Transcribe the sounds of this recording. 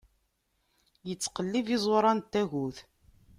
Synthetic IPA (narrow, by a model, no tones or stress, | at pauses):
jət͡sːqəlːivizˤɾˤɑnt̪ːæɣuθ